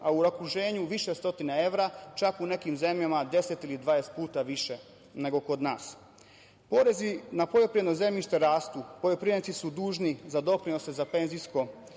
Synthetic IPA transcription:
auɾakuʒe̞ːɲuʋiʃest̪o̞t̪inae̞ʋɾat͡ʃakune̞kimze̞mʎamad̪e̞se̞t̪ilid̪ʋaest̪̚puːt̪aʋiʃe̞ | ne̞ɡo̞ko̞d̪naːs | po̞ɾe̞zinapojopɾid̪noze̞mʎiʃt̪e̞ɾaːst̪uːpo̞jopɾienit̪isud̪uːʒnizad̪o̞pɾino̞sezape̞nzisko̞

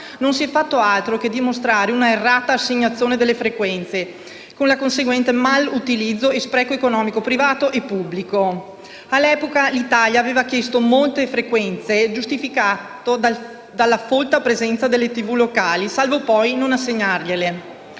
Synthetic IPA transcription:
nonsiɛfːat̪ːoalt̪ɾoked̪imost̪ɾaːɾeunaerːaːt̪aːsːeɲːat̪sːjoːned̪elːefɾekwɛnt̪se | konlakonseɡwɛnt̪emalut̪ilid̪zːoespɾɛːkoekonɔːmikopɾivaːt̪oʔepːubːliko | alːɛpokalit̪aljaːveːvakjest̪omolt̪efɾekwɛnt̪sed͡ʒust̪ifika | od̪a | d̪alːafolt̪apɾezɛnt̪sad̪elːet̪ivulokaːlisalvopɔjnonasːeɲːarʎele

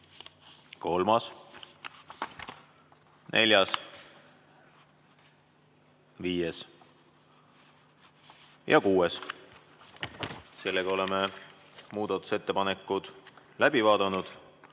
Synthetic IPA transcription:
ko̞lmɑs | nʔe̞̰lʲjɑs | viːjes | jɑ̰kuːes | se̞lːeɡ̥ɑo̞le̞me | muːd̪̥ɑt̪ːˑu̥se̞t̪ːe̞pɑne̞kːˑud̪̥ | læb̥ivɑːd̪̥ɑnud̪̥

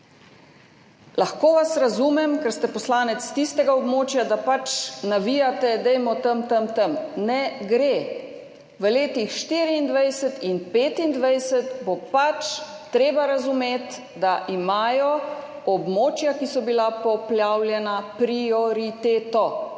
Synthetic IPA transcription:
laxkoːʋasɾazuːmɛmkɛɾst̪ɛpɔslaːnɛt̪st̪ist̪ɛɡaɔbmoːt͡ʃjad̪apat͡ʃnaʋijat̪ɛd̪ɛjmɔt̪əmt̪əmt̪əmnɛɡɾe | ʋəleːt̪ixʃt̪iːɾiːnd̪ʋajsɛt̪inpeːt̪ind̪ʋajsɛt̪bopat͡ʃ | t̪ɾeːbaɾazumeːt̪ | d̪aʔimaːjɔ | ɔbmoːt͡ʃjakisɔbilapɔpljaːwljɛnapɾiɔɾit̪eːt̪ɔ

